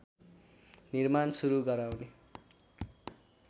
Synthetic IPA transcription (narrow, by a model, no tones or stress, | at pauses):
nirmansuɾuɡʌɾawne